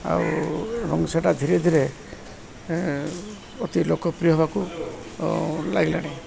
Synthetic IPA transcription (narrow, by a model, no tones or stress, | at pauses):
a̰uɾɔŋsaʈad̪ʱiɾed̪ʱiɾe | ɔt̪ilokɔpɾijɔɦebaku | laɡila̰ɽ̃e